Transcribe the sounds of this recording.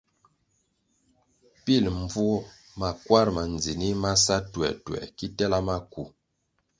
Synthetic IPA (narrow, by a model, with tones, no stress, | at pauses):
pi˦˨lm˦b͡vu˦ | ma˨kwa˦ɾma˨n˨d͡zi˨ni˦ma˦sa˦twɛ̰˨twɛ̰˨ki˦tɛ˦la˦ma˦ku˨